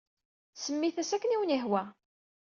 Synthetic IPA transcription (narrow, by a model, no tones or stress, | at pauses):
səmːiθæsækːəniwəniɦwæ